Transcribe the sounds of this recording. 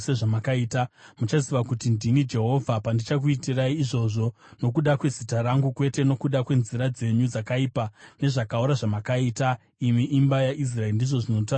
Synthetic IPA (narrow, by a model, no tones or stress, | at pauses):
seʐamakaiːtamut͡ʃaziʋakutindinid͡ʒe̞ɦo̞vʱapandit͡ʃak̬uitiraiːʐo̞ʐo̞ | no̞k̬uɗakwe̞zitaɾaŋɡukwe̞te̞no̞kuɗakwe̞nziɾad͡ze̞ɲud͡zakaipane̞ʐakauɾaʐamakaiːta | imiʔimbajaʔis̬raerndiʐo̞ʐino̞ta